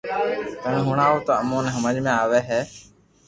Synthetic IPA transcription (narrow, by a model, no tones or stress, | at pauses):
kənɦʊɳaːoːt̪oːəmõːnɦəməd͡ʒmẽaːʋeːɦɛː